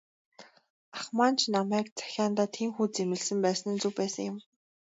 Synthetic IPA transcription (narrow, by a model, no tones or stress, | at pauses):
aχmaːn̥t͡ɕʰnamæːkt͡sḁxʲaːnt̪aːt̪ʰiːmxuːt͡semɘ̆ɮsɘ̆mpæːsnɘ̆nt͡suwpæːsə̆ŋjɪ̆m